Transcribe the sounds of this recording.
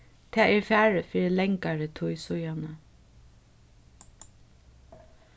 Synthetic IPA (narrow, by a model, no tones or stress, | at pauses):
t̪ʰɛːɛɹfæːɹəfiːɾɪlɛŋkaɹət̪ʰʊjsʊjanə